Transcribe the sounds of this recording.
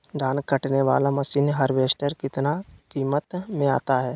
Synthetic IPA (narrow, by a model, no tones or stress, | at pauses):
d̪ʱaːnkəʈneʋaːlamɐʃiːnɦəɾʋeːsʈəɾkɪt̪nakiːmət̪mẽa̰ːt̪aɦɛː